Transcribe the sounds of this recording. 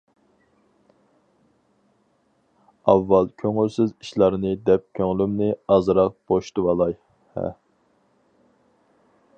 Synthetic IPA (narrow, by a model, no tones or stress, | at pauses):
ɑvːɑlˠkʲʰøŋylsɪziʃlˠɑɾnɨd̪ɛp̚kʲʰøŋlymnɪɑzɾɑq̚b̥oʃt̪ɨwɑlˠɑj | hɛ̰